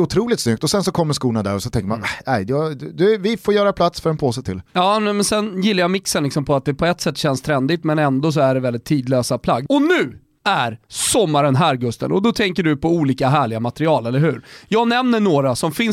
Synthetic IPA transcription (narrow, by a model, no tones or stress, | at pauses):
ʊt̪ʰɾuːlɪt̪snʏk̚t̪ɔsɛnsɔkʰɔmːəskuːnad̪æ̰ːɾɔsɔnt̪ʰɛŋkəɾma̰nnæjd̪d̪ɵvɪfoːɾjœːɾapʰlat̪sfœɾɛnpʰoːsɛt̪ʰɪljɑːnɛmɛnsɛnjɪlːajamɪksənlɪksɔmpʰɔat̪̚d̪ɛpʰɔɛt̪ːsɛt̪ːɕɛnst̪ʰɾɛnd̪ɪt̪mɛnɛnd̪ɔs̬ɔæɖɛvɛld̪ɪt̪ʰːiːd̪løːsapʰlaɡːɔnʉ̟ː | æɾsɔmːaɾənɦæːɾɡɵst̪ə̰nʔɔd̪ɔt̪ʰɛŋkəɖɵpʰɔuːliːkaɦæːɭɪɡamat̪ɾɪɑːlɛlːəɾhɦʉ̟ːɾjɑːɡnɛmnəɳoːɾasɔmfɪn